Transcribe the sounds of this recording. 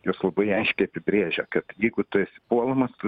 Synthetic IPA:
joːslˠɐbɐɪɐɪʃʲkʲɛɪɐpʲɪbʲɾʲiːʒʲɛkɐt̪jɛɪɡʊt̪ʊɛsʲɪpuɔlˠɐmɐst̪ʊ

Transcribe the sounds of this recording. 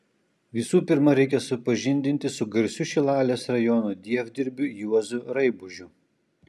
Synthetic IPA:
ʋʲɪsuːpʲɪɾmɐɾʲɛɪkʲɛsʊpɐʒʲɪnʲd̪ʲɪnʲt̪ʲɪsʊɡɐɾʲsʲʊʃʲɪlˠɑːlʲeːsɾɐjɔnoːd̪ʲiɛvʲd̪ʲɪɾʲbʲʊjuɔzʊɾɐɪbʊʒʲʊ

